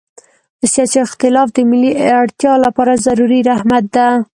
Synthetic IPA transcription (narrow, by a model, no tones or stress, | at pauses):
əsjɑsiɪxt̪ɪlɑfd̪əmɪlːiaɽt̪jɑlapɑɾazaɾuɾiɾahmat̪̚d̪a